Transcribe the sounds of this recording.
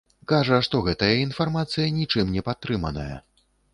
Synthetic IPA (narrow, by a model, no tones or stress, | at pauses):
kaʐɐʂt̪ɔɣɛt̪ɐjɐinfarmat̪sɨjɐnʲit͡ʂɨmnʲɛpat̪ːɾɨmɐnɐ̰jɐ̰